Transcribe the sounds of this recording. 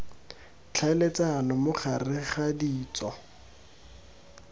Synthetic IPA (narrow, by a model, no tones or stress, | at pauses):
t͡ɬʰalet͡sanɔmʊχʰarɪχadiːt͡sɔ